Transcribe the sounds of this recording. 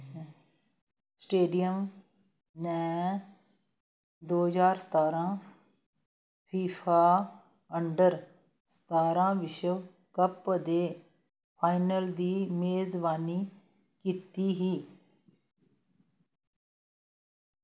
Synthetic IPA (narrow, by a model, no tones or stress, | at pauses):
sʈeːɖɪjəm | nɛː | d̪oːd͡ʒaːɾsə̥t̪aːɾãː | pʰiːpʰaː | əɳɖəɾ | sə̥t̪aːɾãːʋɪʃə | kəpd̪eː | pʰaːɪnəld̪iːmeːzbaːniː | kiːt̪iːɦiː